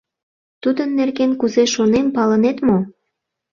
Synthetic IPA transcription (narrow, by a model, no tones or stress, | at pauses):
t̪ud̪ənːerɣenkuzeʃonempɑlənet̪mo